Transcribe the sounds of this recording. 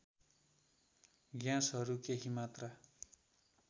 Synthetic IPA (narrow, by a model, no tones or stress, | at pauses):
ɡjãsɦʌɾukeɦimat̪ra